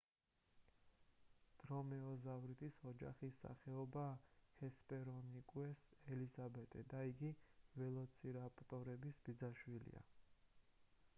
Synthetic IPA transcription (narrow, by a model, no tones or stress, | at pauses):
d̪̥ɾɔmɛɔzavɾit̪ʰʼisɔd͡ʒaχisːa̰χɛɔbaːhɛspʼɛɾɔnikʼwɛsɛlizabɛt̪ʼɛd̪aiɡivɛlˠɔt̪sʰiɾapʼt̪ʼɔɾɛbisbid̪zaʃwilḭa̰